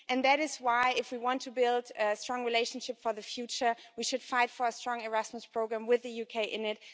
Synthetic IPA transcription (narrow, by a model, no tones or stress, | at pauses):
ʔɨ̃nðɨɾɨzwaɪɪfwiwɑ̃ntʰɨbɪlˠdɨstɹ̥ɔ̃ŋɹileɪʃn̩ʃɪpfə˞ðɨfjʉt͡ʃə˞ | wiʃɨd̥faɪtfə˞ɨstɹ̥ɔ̃ŋə˞æsməspʰɹ̥oʊɡɹæ̃mwɪðɨjukʰeɪʔɪ̃nɪt̚